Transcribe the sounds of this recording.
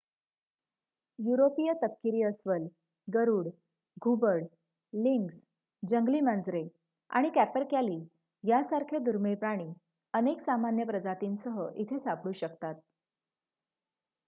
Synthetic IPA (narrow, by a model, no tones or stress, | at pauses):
juɾopijət̪əp̚kiɾiːəsʋəl | ɡəɾuːɽ | ɡʱubəɽ | liŋks | d͡ʑəŋɡliːmand͡zɾe | a̰ɽ̃ikæpəɾkjaliː | jasaɾkʰed̪uɾmiɭpɾaɽ̃iː | əneksamanjəpɾəd͡zat̪iːnsəɦəʔit̪ʰesapɽ̃uːɕəkt̪at̪̚